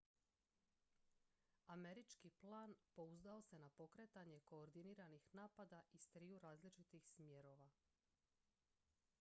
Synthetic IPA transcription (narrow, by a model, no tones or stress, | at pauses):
ame̞ɾit͡ʃkiplˠaːnpo̞uzd̪ao̞se̞napo̞kɾe̞t̪aɲe̞ko̞ːɾd̪iniːɾanixnaːpad̪aʔist̪ɾiːuɾaːzlit͡ʃit̪ixsmje̞ɾo̞ʋa